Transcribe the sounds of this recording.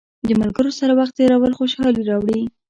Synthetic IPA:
d̪əmalɡəɾosaɾawaxt̪̚t̪eɾawəlxoʃɑliɾɑwɽi

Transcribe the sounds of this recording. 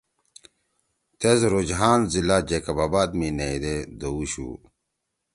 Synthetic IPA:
t̪ezɾod͡ʑɦaːnzilad͡ʑekabaːbaːd̪mineid̪ed̪ouɕṵ

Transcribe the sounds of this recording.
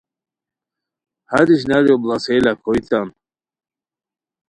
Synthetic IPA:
haɾiɕ̬naɾjɔblaselakʰɔjt̪an

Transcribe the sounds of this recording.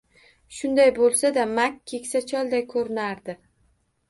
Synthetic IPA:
ʃʊnd̪ajbolˠsad̪amakʲʰːe̞kʲsat͡ʃʰɒlˠd̪ajkʰɵɾɪnaɾd̪ɪ

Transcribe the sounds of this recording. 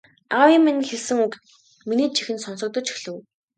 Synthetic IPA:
awiminxeɮsɘ̆ŋukt̪ | miniːt͡ɕʰixɘ̆nsɔnsɞ̆k̚t̪ɞ̆t͡ɕi̥ɮɘ̆w

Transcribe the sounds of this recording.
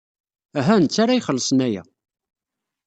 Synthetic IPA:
æɦænt͡sːaɾajχəlːəsˤənæjæ̰

